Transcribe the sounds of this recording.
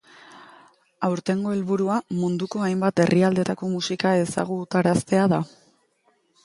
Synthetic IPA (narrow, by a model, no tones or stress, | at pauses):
awɾt̪e̞ŋɡo̞e̞lβuɾuamund̪uko̞ajmbat̪e̞rʔiald̪e̞t̪ako̞musikae̞sa̰ɣ̞ut̪aɾast̪e̞aða